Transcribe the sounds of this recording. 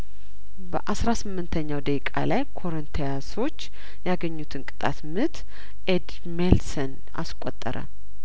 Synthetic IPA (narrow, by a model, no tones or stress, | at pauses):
bəʔasɾasɨmːɨnt̪ʰəɲːawd̪əkʼa̰lajkʰo̞ɾənt̪ʰejaso̞t͡ʃː | jaɡəɲːut̪ʰɨnkʼɨ̥t̪ʼa̰t̪mɨt̪ʰ | ʔed̪ | melsən | a̰skʼot̪ʼːəɾə̰